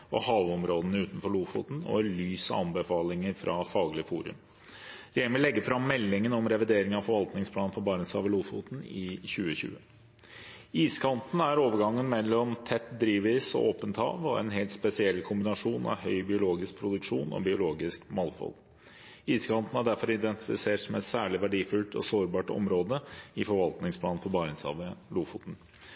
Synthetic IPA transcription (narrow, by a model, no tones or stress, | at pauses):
ɔ̰hɑːʋɔmɾoːd̪nəʉːt̪n̩fɔɭuːfʊ̰ːt̪n̩ɔ̰ɛɭyːsɑ̰ɑnbəfɑːlɪŋəɾfɾʔɑfɑːɡlɪəfuːɾʉ̰m | ɾeːənʋɪlːɛɡːəfɾɑmːɛlːɪŋənɔmɾɛʋɪd̪eːɾɪŋɑʋfɔɾʋɑlt̪nɪŋspʰlɑːn̩fɔbɑːɾəsɑːʋəluːfʊ̰t̪n̩ɪçʉːəçʉ̰ːə | iːskʰɑnt̪n̩æɾoːʋəɾɡɑŋːənmɛlːɔmt̪ʰɛt̪ːd̪ɾiːʋʋiːsɔ̰ʔoːpənt̪hɑ̰ːʋɔɛ̰nɦɛlt̪spɛsɪɛlkʰʊmbɪnɑʂuːnɑ̰ʋhœʏbɪʊloːɡɪsk̚pʰɾʊd̪ʉkʂuːnɔ̰bɪʊloːɡɪskmɑlfɔ̰l | iːskʰɑnt̪n̩æɖæɾfɔɾɪd̪ɛnt̪ɪfɪ̰seːʈsɔmɛt̪sæːɭɪʋæɖiːfʉlt̪ʰɔ̰soːɾbɑːʈɔ̰mɾoːd̪əɪfɔɾʋɑlt̪nɪŋspʰlɑːn̩fɔbɑːɾɪŋsɑ̰ːʋəluːfṵːt̪n̩